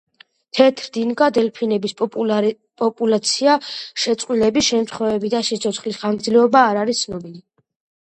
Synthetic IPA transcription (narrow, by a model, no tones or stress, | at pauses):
t̪ʰɛt̪ʰɾd̪inɡad̪ɛlpʰinɛbis | pʼɔpʼulat̪sʰiaʃɛt̪sʼqʼwilɛbisʃɛmt̪ʰχwɛvɛbid̪aʃit̪sʰɔt̪sʰχlisχanɡd̪zlɛɔbaːɾaɾist̪sʰnɔbili